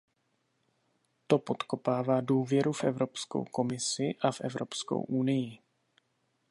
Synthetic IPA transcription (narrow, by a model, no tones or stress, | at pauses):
t̪o̞po̞t̪ko̞paːvaːduːvjɛɾufʔɛvɾo̞psko̰wko̞mɪsɪʔafʔɛvɾopsko̰wʔunɪjɪ